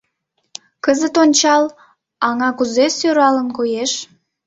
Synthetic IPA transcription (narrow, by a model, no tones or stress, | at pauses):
kəzət̪onʲt͡ɕɑl | ɑŋɑkuzesøɾɑlənkojeʃ